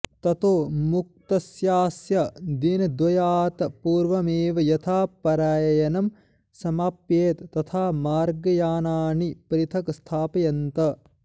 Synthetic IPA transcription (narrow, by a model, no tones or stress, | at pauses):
t̪ɐt̪oːmuk̚t̪ɐsjaːsjɐd̪inɐd̪ʋɐjaːt̪ɐpuːɾʋɐmeːʋɐjɐt̪ʰaːpɐɾaːjɐjɐnɐm | sɐmaːpjeːt̪ːɐt̪ʰaːmaːɾɡɐjaːnaːnipɐɾit̪ʰɐkst̪ʰaːpɐjɐnt̪ɐ